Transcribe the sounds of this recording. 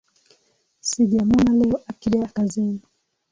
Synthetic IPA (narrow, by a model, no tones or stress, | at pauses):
siɡamɔnalɛɔʔakiɾiakazini